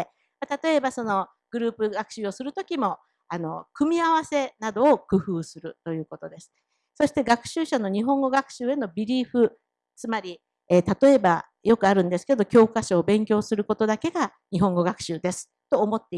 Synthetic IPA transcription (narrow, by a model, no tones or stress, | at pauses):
mat̪at̪o̞e̞baso̞no̞ | ɡ̥ɯ̟ɾɯ̟ːpɯ̟ɡakɯ̟ɕɨːo̞sɨɾɯ̟t̪o̞kʲimo̞ | ano̞̰kɯ̟mʲiaβase̞nad̪o̞ːkɯ̟ɸɯːsɨɾɯ̟t̪o̞jɯ̟ːko̞t̪o̞d̪e̞sɨ̥ | so̞ɕi̥t̪e̞ɡakɯ̟̥ɕɨːɕano̞ɲ̟iɦõ̞ŋɡo̞ɡakɯ̟̥ɕɨːe̞no̞bʲiɾʲiːɸɯ̟ | t͡sɨmaɾʲi | eːt̪at̪o̞e̞ba | jo̞kɯ̟aɾɯ̟̃nd̪e̞sɨ̥ke̞d̪o̞kʲo̞ːkaɕoːbẽ̞ŋkʲo̞ːsɨɾɯ̟ko̞t̪o̞d̪ake̞ɡa | ɲ̟iɦõ̞ŋɡo̞ɡakɯ̟̥ɕɨːd̪e̞sɨ̥ | t̪o̞ːmo̞t̪ːe